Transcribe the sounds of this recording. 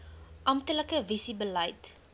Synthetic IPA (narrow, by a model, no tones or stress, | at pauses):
ʔɐmtələkəvisibələjt